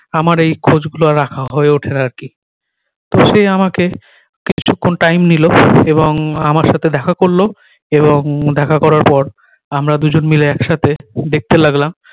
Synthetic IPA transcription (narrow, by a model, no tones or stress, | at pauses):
amaɾejkʰod͡ʑɡuloaɾakʰaɦɔeoʈʰenaaɾki | t̪oʃejamake | kit͡ɕʰukʰːonʈajmniloeβoŋamaɾʃat̪ʰed̪ɛkʰakoɾlo | eβoŋd̪ɛkʰakɔɾaɾpɔɾ | amɾad̪ud͡ʑonmileɛkʃat̪ʰed̪ek̚t̪elaɡlam